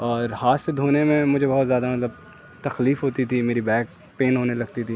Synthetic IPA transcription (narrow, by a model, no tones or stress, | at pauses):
ɔːɾhaːssed̪ʱoːnemẽmʊd͡ʒʱebɐɦʊt̪zjaːd̪amɐt̪ləb | t̪ɐxliːfɦoːt̪it̪ʰimeːɾibɛːk̚ | peːnɦoːnelɐɡ̚t̪it̪ʰi